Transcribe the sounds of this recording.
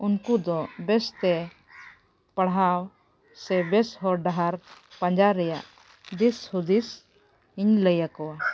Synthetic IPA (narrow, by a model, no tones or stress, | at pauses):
unkud̪ɔbɛst̪ɛ | pəɽɦaw | sɛbɛsɦɔɾɖaɦaɾpaɲd͡ʒaɾɛjaʔ | d̪ishud̪is | iɲləjakɔwa